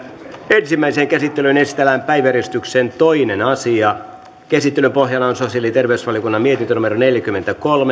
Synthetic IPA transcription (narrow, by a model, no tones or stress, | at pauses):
ensimːæiseːŋkæsit̪ːelynest̪elæːmpæiʋæɾist̪yksent̪o̞inenɑsiɑ | kesit̪ːelympo̞ɦjɑlːɑonsosiɑlit̪erʋeysʋɑlijokunːɑmiet̪int̪ønumeɾoneljækymːent̪ækolme